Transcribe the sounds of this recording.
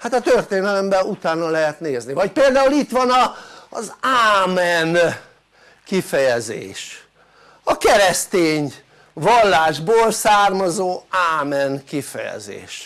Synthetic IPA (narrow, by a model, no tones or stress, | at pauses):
hat̪ɒt̪ørt̪eːnɛlɛmbɛut̪aːnɒlɛɦɛt̪neːznivɒc̚peːld̪aːulit̪ʋɒnɒzaːmɛn | kifɛjɛzḛːʃ | ɒkɛɾɛst̪eːɲ | vɒlːaːʒboːlsaːrmɒzoːaːmɛnkifɛ̰jɛ̰zḛːʃ